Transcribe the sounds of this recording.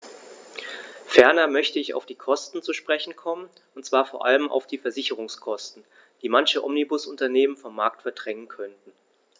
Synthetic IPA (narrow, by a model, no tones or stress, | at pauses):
fɛɐnɐmœçtəɪça̰ʊfd̥iːkʰɔstn̩t͡suʃpʁ̥ɛçn̩kʰɔmən | ʊntt͡sv̥aːɐfoːɐʔaləmʔa̰ʊfd̥iːfɛɐzɪçəʁ̞ʊŋskʰɔstn̩ | d̥iːmançəʔɔ̰mnibʊsʊntɐneːmənfɔmːaɐk̚tfɛɐdʁɛŋənkʰœntn̩